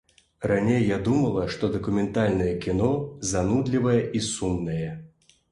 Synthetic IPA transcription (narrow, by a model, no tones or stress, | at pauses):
ranʲejːad̪umɐlˠɐʂt̪ɔd̪ɐkumʲɛnt̪alʲnɐjɛkʲinɔzanud̪lʲivɐjɛʔisumnɐjɛ